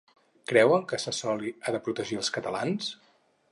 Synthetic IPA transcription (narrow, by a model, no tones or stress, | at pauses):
kɾɛwəŋˠkəsəsɔliaðəpɾut̪əʒiəlˠskət̪əlans